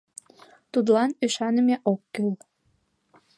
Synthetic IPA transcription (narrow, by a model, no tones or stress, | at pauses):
t̪ud̪lɑnyʃɑnəmeʔokːyl